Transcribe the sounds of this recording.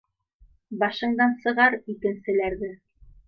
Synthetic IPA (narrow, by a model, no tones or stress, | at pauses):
bɑʃɤ̆ɴd̪ɑnsɤ̆ʁɑɾikɘ̆nsɘ̆læɾðɘ